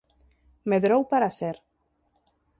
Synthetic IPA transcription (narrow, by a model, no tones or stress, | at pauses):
meðɾowpaɾaseɾ